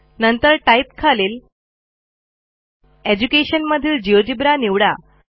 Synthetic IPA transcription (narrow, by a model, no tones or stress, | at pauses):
nənt̪əɾʈaip̚kʰaleːl | ed͡ʑukeɕənməd̪ʱiːld͡ʑiod͡ʑibɾaniʋɽa